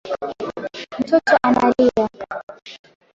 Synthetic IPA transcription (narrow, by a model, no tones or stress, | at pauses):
m̩tɔtɔʔanalia